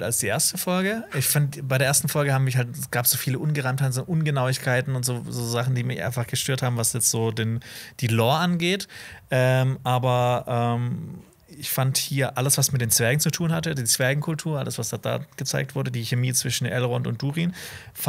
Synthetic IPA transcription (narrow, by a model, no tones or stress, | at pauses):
talsd̥iːʔeːɐstəfɔlɡəɪçfantbaɪɾeːɐeːɐstn̩fɔlɡəhaːbmɪçhaltɛsɡ̥aːpz̥oːfiːləʔʊnɡəʁaɪmthaɪtnzoʔʊnɡənaʊɪçkʰaɪtn̩ʊntz̥oːzoːzaχn̩diːmɪçʔa̰ɪnfaχɡ̥əʃtøːɐthaːbm̩vasjɛt͡stz̥oːdeːnd̥iːlɔːʔanɡeːtʔɛːmʔaːbɐʔɛːm | ɪçfanthiːɐʔaləsv̥asmɪt̚d̥eːnt͡sv̥ɛɐɡŋ̩t͡sutʰuːnhatədiːt͡sv̥ɛɐɡŋ̩kʰʊltʰuːɐʔaləsv̥asd̥ad̥a̰ːɡ̥ət͡saɪk̚tv̥ʊɐdədiːçemiːt͡sv̥ɪʃn̩ʔɛ̰lʁɔntʊ̰ntd̥uːʁin | f